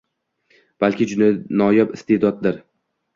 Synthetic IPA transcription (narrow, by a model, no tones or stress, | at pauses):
b̥alkʲʰɪd͡ʒʊnanɒjabɪst̪ʰed̪ɒt̪̚d̪ɪɾ